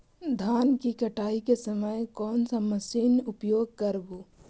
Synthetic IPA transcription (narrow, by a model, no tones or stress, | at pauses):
d̪ʱaːnkikɐʈʰaːikesɐməjkɔːnsamɐsiːnʊpjoːɡ̚kɐɾboː